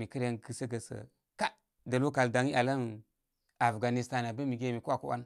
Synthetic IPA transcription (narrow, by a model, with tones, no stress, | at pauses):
mi˨kə˦ɾa˦nɡə˨sə˦ɡə˨sə̰˨ | ka˦ | də˨lu˦ka˨lda˨ŋi˦ʔa˨la˦n | a˨fɡa˨ni˨sta˦n˨a˨be˦mi˨ɡe˦˨mi˨ku˦a˨ku˦a̰˦n